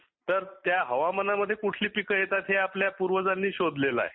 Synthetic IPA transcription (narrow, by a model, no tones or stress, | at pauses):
t̪əɾt̪jaɦəʋamənaməd̪ʱːjekuʈʰliːpikəɦjet̪at̪ɦeapljapuɾʋəd͡zanːiːɕod̪lela̰e